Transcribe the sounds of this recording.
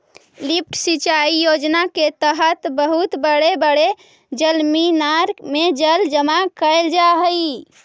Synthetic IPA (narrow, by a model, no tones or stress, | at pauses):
lip̚ʰʈsit͡ʃaijod͡ʒnaket̪əɦət̪bəɦut̪bəɽebəɽe | d͡ʒəlminaɾmed͡ʒəld͡ʒəmakəeld͡ʒaɦəi